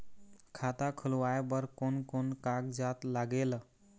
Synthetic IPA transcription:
kʰat̪akʰəlʋaebəɾkonkonkaɡd͡ʒat̪laɡel

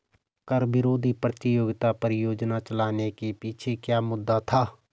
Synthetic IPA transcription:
kəɾbɪɾoːd̪ʱipɾət̪ɪjoːɡt̪apəɾjoːd͡ʒnat͡ʃəlaːnekepiːt͡ʃʰekjaːmʊd̪ːat̪ʰaː

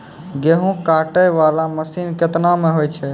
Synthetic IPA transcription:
ɡeɦũkaʈəjʋalaməsinket̪nameɦojt͡ʃʰɛ

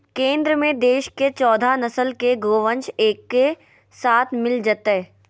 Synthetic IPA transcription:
kẽːnd̪ɾəmẽd̪eːʃket͡ʃɔːd̪ʱanɐsəlkeɡoːʋə̃nt͡ʃeːkːe | saːt̪ʰmɪld͡ʒət̪ɦɛ

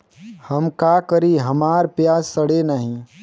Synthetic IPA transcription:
hɐmkakəɾiɦɐmaːɾpjaːzsəɽenəɦĩ

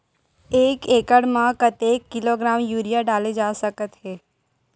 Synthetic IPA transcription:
eːkeːkəɽmãkət̪eːkːɪloɡɾaːmjuːɾijaɖaːled͡ʒaːsəkət̪ɦeː

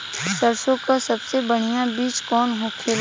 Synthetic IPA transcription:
səɾsõkasɐbsebəɽ̤ijãbiːt͡ʃkɔːnɦokʰeːl

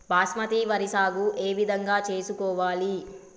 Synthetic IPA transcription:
baːsmɐt̪iʋɐɾisaːɡuʔeːʋid̪ʱɐŋɡaːt͡ʃe̞ːsukɔːʋaːli

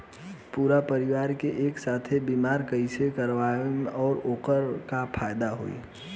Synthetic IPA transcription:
puːɾapəɾɪʋaːɾkeʔeːksaːt̪ʰebiːmaːɾkəisekəɾʋanɔːɾoːkəɾkapʰaːjd̪aɦo̰ːḭ

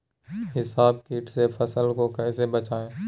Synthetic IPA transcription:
ɦɪsaːb̚kiːʈsepʰəsəlkokɛːs̬ebət͡ʃaːẽː

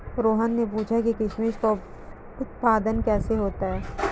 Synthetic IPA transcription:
ɾoːɦənːepuːt͡ʃʰakikɪʃmeːʃka | ʊt̪̚paːd̪ənkɛːseɦoːt̪aɦɛː

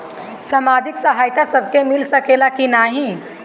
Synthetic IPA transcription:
samad͡ʒiksəɦaːjt̪asəbʱkemilsəkelakinaɦĩ

